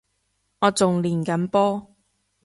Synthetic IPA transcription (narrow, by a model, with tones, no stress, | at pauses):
ŋɔː˨˧t͡sʊ˨ŋliː˨˩nkɐ˨˥npɔː˥